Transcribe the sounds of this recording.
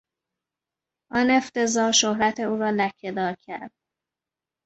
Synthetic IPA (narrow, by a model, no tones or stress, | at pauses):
ʔɒne̞ft̪e̞zɒːɾʃohɾæt̪ʰe̞uːɾɒːlæcʰːe̞d̪ɒːɾcʰæɾd̪̥̚